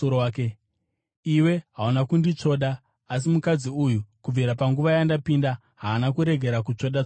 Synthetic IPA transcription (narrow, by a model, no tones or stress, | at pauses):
oke | iwe̞ɦaunakundit͡ʂo̞ːɗaː | s̬imukad͡ziujukub͡viɾapaŋɡuʋajandapinda | ɦaːnakuɾe̞ɡʱe̞ɾakut͡ʂo̞ɗa